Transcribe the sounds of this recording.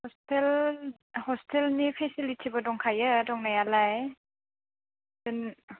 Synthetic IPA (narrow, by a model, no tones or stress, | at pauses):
hɔstɛl | hɔstʰɛlnipʰɛsilitʰibɔdɔŋkʰajədɔŋnajalaj | dɯn